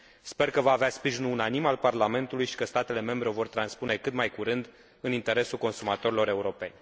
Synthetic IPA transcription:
spe̞rkəvaːveaspɾiʒinuunanimalparlame̞nt̪ulujʃi̥kəst̪at̪e̞le̞me̞mbɾeovo̞rt̪ɾanspune̞kɨt̪majkuɾɨnd̪ | ɨnint̪e̞ɾe̞sulko̞nsumat̪o̞ɾilo̞ɾe̞uɾo̞pe̞̰nʲ

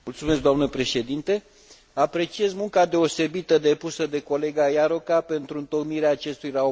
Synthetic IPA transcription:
mult̪sumesk̚d̪oamnəpɾe̞ʃe̞d̪int̪e̞ | apɾe̞t͡ʃie̞zmuŋkad̪e̞o̞se̞bit̪əd̪e̞pusəd̪e̞ko̞le̞ɡajaɾo̞kape̞nt̪ɾuɨnt̪o̞kniɾeaːt͡ʃe̞st̪ujrao

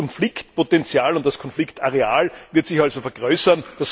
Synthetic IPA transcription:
ɔnflɪktpotɛnt͡sjaːlʊntd̥askʰɔnflɪktaʁeaːlvɪɐtsɪçalzofɛɐɡ̥ʁøːsɐnd̥as

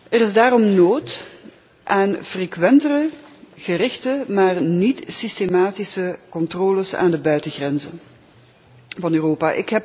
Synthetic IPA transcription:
ɛrɪzdaːrɔmnoːt | ʔaːnv̥reːkʋɛntərəɣəɾɪxtəmaːrnitsistemaːtisəkɔntroːləsa̰ːndəbœɥtəɣrɛnzə | vɑnøːroːpaːʔɪ̰kɦɛp̚

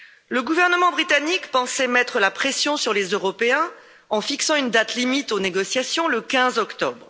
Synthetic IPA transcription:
ləɡuvɛʁnəmɑ̃bʁit̪anikpɑ̃sɛmɛt̪χəlapχesjɔ̃syʁlezøʁɔpeɛ̃ | ɑ̃fiksɑ̃ynd̪at̪limit̪oneɡɔsjasjɔ̃ləkʲɛ̃zɔkt̪ɔbʁ

